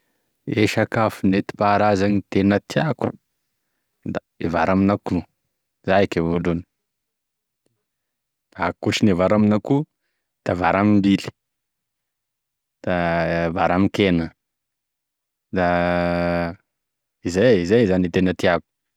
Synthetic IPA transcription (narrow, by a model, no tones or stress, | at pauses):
eʃakafunet̪i̥paɾazanit̪enət̪iaku̥̰ | d̪a | evaɾaminaku | zakevoluni̥ | d̥̪akuʈ͡ʂinevaɾaminaku | d̪̥avaɾamimbili̥ | d̪̥avaɾamikenə | d̪a | izajizejzanit̪enət̪iaku̥